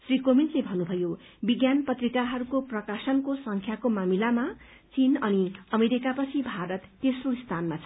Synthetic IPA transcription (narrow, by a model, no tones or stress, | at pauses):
srikomintlebʱʌnːubʱʌjo | biɡjanpʌt̪rikaɦʌɾukoprʌkasʌnkosʌŋkʰjakomamilama | t͡sinʌniʌmeɾikapʌt͡sʰibʱaɾʌt̪ːesroist̪ʰanmat͡sʰʌ̥